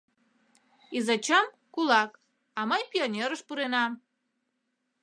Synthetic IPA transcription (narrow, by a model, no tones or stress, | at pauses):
izɑt͡ɕɑm | kulɑk | ɑməjpionʲeɾəʃpuɾenɑm